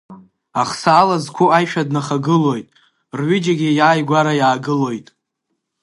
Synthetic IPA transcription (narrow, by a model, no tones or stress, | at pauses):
aχsaːlazkʷʰʊajʃᶣadnaχaɡɨlo̞jtʼ | rɥɪd͡ʒaɡʲɪjaːjɡʷaɾajaːɡɨlo̞jtʼ